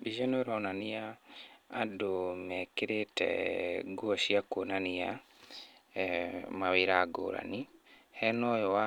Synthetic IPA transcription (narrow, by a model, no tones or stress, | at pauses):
biʒɔnoɾɔnaniaː | domɛkeɾetɛ̰ɡuɔʃiakonania | maweɾaɡo̰ːɾa̰ni | hɛnɔjɔwa